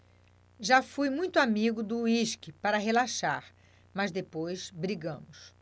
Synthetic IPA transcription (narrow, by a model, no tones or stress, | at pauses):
ʒafujmũj̃t̪ʊamiɡʊd̪ʊiʃkɪpaɾɐɦelaʃaɾ | mɐzd̪epojzbɾiɡɐ̃mʊs